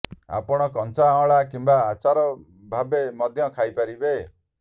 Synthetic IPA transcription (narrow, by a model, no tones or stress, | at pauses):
a̰pɔɽ̃ɔkɔnsaɔ̃ɭakimbaːt͡ʃaɾɔ | bʱabemɔd̪ʱjɔkʰajpaɾibe